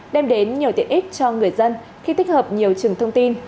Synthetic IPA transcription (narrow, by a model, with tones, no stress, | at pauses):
ɗɛ˧mɗe˨˦nɲi˨˩əwt̪i˧˨əʔi˦˥t̚t͡ɕɔ˧ŋɨ˨˩əjzə˧n | xi˧t̪i˦˥k̟̚həː˨˩p̚ɲi˨˩əwt͡ɕɨ˨˩əŋt̪ʰə˧wŋ͡mt̪i˧n